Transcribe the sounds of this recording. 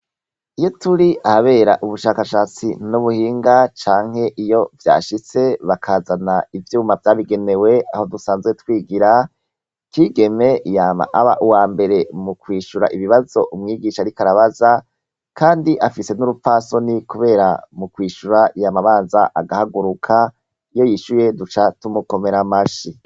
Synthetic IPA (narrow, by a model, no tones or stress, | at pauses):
ijo̞tuɾiʔahaβe̞ːɾa̰ʔuβuʃaːkaʃaːt͡sḭnuβuhiːŋɡat͡ʃaːŋ̥he̞ʔijo̞vja̰ːʃit͡se̞βakʰaːzanaivjuːmavjaːβiɡe̞ne̞we̞aho̞dusaːnzɡwe̞twiːɡiɾa | kiːɡe̞me̞jaːma̰ʔaβaʔuwaːmbe̞ɾe̞mukwiːʃuɾa̰ʔiβiβazo̞ʔumŋiːɡiːʃaɾikaɾaβaza | kʰaːndiʔafise̞nuɾufaso̞nikuβe̞ːɾa̰mukwiːʃuɾaʔijamaβaːnzaʔa̰ɡahaɡuɾukʰa | ijo̞jiʃuje̞dut͡ʃatumuko̞me̞ɾamaʃi